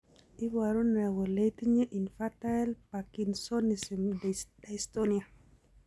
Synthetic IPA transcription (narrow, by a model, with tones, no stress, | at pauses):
i˦wa˨ɾo˦nɛ˨wɔ˨le˦ti˦ɲe˦ʔi˨nfa˦ta˦ɛ˦lpa˨ki˨nso˦ni˨si˨mdda˨istonia˨